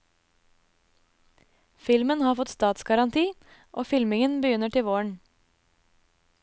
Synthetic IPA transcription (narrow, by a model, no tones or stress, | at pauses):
fɪlmənhɑːfɔt̪st̪ɑːt̪sɡɑɾɑnt̪ʰiː | ʔoːfɪlmɪŋənbəjʏnəʈɪʋoːɳ